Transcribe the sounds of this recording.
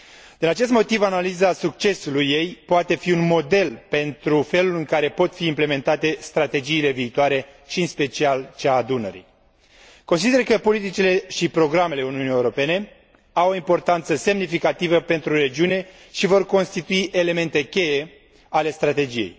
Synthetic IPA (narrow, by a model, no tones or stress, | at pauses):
d̪̥inat͡ʃe̞st̪mo̞t̪ivanalizasukt͡ʃe̞sulujːe̞jpoat̪e̞fiunmo̞d̪e̞lpe̞nt̪ɾufe̞lulɨŋkaɾe̞po̞t̪fiːmple̞me̞nt̪at̪e̞st̪ɾat̪e̞d͡ʒiːle̞viːt̪oaɾe̞ʃiɨnspe̞t͡ʃialt͡ʃeaːd̪unəɾḭ | ko̞ns̬id̪erkəpo̞lit̪it͡ʃile̞ʃipɾo̞ɡɾame̞le̞uniunijewɾo̞pe̞ne̞ | awoimpo̞rt̪ant̪səse̞mnifikat̪ivəpe̞nt̪ɾuɾe̞d͡ʒiune̞ | ʃivo̞rko̞nst̪it̪uiʔe̞le̞me̞nt̪e̞kʲe̞je̞ | ale̞st̪ɾat̪e̞d͡ʒije̞̰j